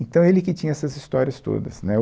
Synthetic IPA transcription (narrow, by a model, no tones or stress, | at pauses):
ẽnt̪ɐ̃w̃elɪkɪt͡ʃĩɲɐɛsɐzist̪ɔɾiɐst̪o̰d̪ɐ̰snɛ